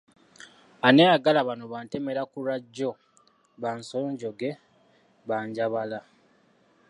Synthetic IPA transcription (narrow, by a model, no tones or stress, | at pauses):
anejaɡalaβanoβaːnteme̞ɾakuɾaɟːo̞ | βanso̞ːɲɟo̞ɡe̞ | βaːɲɟaβala